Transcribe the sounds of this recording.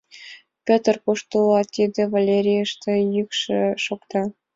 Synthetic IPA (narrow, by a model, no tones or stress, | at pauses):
pʲɘ̆t̪ə̆rpuʃt̪ulɑt̪ʲid̪ʲĕvalʲeɾʲijəʃt̪ĕjykʃɘ̆ʃokt̪ɑ